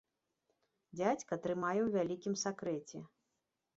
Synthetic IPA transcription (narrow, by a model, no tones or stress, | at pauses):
d͡zʲat͡sʲkɐt̪ɾɨmajɛwvʲalʲikʲimsakɾɛt͡sʲɛ